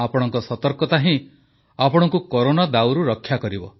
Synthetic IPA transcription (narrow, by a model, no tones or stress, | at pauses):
apɔɽ̃ɔŋkɔsɔt̪ɔɾkɔt̪aɦĩ | apɔɽ̃ɔŋkukoɾonad̪awɾuɾɔkʰːjakɔɾibɔ